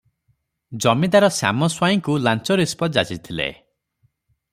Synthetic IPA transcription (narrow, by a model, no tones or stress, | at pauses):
d͡ʒɔmid̪aɾɔsa̰mɔswajiŋkulant͡ʃɔɾispɔd͡ʒat͡ʃit̪ʰilḛ